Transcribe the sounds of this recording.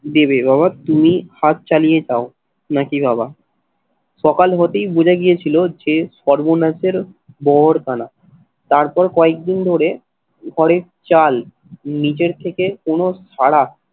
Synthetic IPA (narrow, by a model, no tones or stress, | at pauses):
d̪eβebabat̪umihat̪̚t͡ɕalijed͡ʑao | nakibaba | ʃɔkalɦɔt̪ejbud͡ʑʱaɡijet͡ɕʰilod͡ʑeʃɔɾbonaseɾ | bɔɦoɾkana | t̪aɾpɔɾkɔek̚d̪ind̪ʱoɾe | ɡʱɔɽeɾt͡ɕal | nit͡ɕeɾt̪ʰekekonoʃaɽa